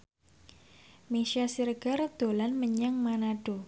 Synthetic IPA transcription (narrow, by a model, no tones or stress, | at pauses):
meʃasirɡ̥ard̪̥olanməɲaŋmanaɖ̥o